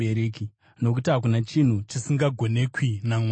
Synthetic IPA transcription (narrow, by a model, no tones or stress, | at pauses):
eɾeːki | no̞k̬utiɦak̬unat͡ʃin̤ut͡ʃisiŋɡaɡʱo̞ne̞kwinam